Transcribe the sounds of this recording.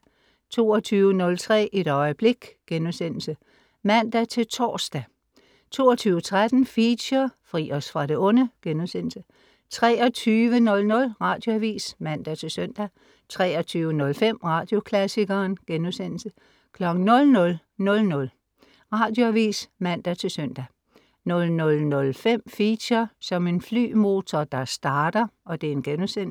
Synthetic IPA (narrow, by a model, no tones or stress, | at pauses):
t͡sʰo̝ːɒt͡sʰyːʊənɔ̽lt͡sʰʁɛ̰ːʔe̝d̥ɒ̽ɪəb̥le̝ɡ̥ɡ̥enusen̰l̩sə | mæn̰d̥æt͡sʰe̝lt͡sʰɒ̰ːsd̥æ | t͡sʰo̝̰ːɒt͡sʰyːʊət͡sʰʁad̥n̩fiɕɐfʁḭːɒsfʁɑ̈ɾe̝ɔ̽nəɡ̥enuðˠsen̰l̩sə | t͡sʰʁɛːɒt͡sʰyːʋənɔ̽lnɔ̽lʁɑ̈ːd̥jo̝æʋḭːsmæn̰d̥æt͡sʰe̝lsœn̰d̥æ | t͡sʰʁɛːɒ̽t͡sʰyːʋənɔ̽lfem̰ʁɑ̈ːd̥jo̝kʰlæsiɡ̥ɐːnɡ̥enusen̰l̩sə | kʰlɒ̽ɡ̥n̩ːɔ̽lnɔ̽l | nɔ̽lnɔ̽l | ʁɑ̈ːd̥jo̝æʋḭːsmæn̰d̥æt͡sʰe̝lsœn̰d̥æ | nɔ̽lnɔ̽lnɔ̽lfem̰fiɕɐsɒ̽me̝nfly̰ːmo̝ːt͡sʰɒd̥ɑ̈sd̥ɑ̈ːd̥ɐɒ̽d̥e̝ɐe̝nɡ̥enusen̰